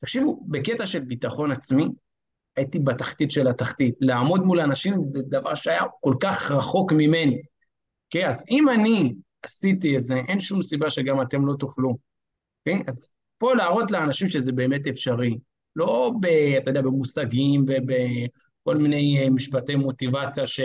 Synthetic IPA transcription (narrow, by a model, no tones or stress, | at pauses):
t̪akʃivube̞ketaʃe̞lbit̪aχo̞nat͡smi | aitibat̪aχt̪it̪ʃe̞lataχtit̪laːmo̞dmulanaʃimzed̪ava̰ʁʃeajako̞lkaχʁaχo̞kmime̞ni | okejazimani | asitietze̞ʔenʃumsibaʃe̞ɡamat̪e̞mlo̞t̪uχlu | keaz | po̞laːʁo̞tleanaʃimʃezebeːme̞te̞fʃaʁi | lo̞beat̪ajdeabe̞musaɡimve̞be | ko̞lmine̞jmiʃpate̞jmo̞tivat͡sjaʃe